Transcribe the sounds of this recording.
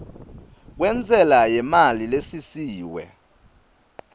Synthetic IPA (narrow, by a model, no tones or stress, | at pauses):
k̬wɛnd͡zʱɛlajɛmalilesisiːwɛ̰